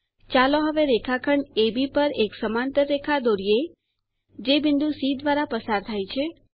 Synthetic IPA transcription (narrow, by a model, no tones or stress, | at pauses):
t͡ʃaloɦəʋeɾekʰakʰəɳebipəɾeksəmant̪əɾːekʰad̪oɾije | d͡ʒebɪnd̪usid̪ʋaɾapəsaɾt̪ʰajt͡ʃʰe